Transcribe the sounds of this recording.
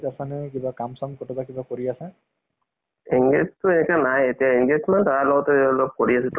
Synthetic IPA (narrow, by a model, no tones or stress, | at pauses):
tasanɛkibakamsɔmkɔtɔtakibakoɹiasɛ | iŋɡeztʊenɛkanajetijaiŋɡezmantaɹalɔɡɔtɛɔlɔb̚koɹiasɛt